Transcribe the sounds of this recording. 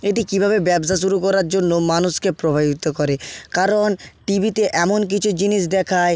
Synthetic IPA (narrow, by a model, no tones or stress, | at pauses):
eʈikibʱabebɛbs̬aʃ̬uɾukɔɾaɾd͡ʑonːomanuʃkepɾobʱabit̪okɔɾekaɾonʈibʱit̪eʔɛmonk̬it͡ɕʰud͡ʑiniʃ̬d̪ɛkʰae